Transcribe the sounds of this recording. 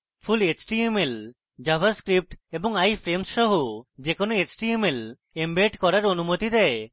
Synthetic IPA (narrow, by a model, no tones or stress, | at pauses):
pʰulet͡ɕʈiemel | d͡ʒabʱaɾskɾip̚ʈeboŋajfʰɾemsʃɔɦod͡ʒekonoet͡ʃʈiemel | embeʈkɔɾaɾonumot̪id̪ɛe